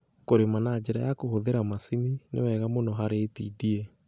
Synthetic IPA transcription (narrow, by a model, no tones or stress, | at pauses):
koɾemanad͡ʒeɾajakohoðeɾamasininḛwɛɣamonɔɦaɾeːtiːdie